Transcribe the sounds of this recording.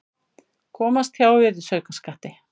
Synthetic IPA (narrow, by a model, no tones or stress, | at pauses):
kʰɔːmast̪çawvɪðɪsœɥkaskaht̪ɪ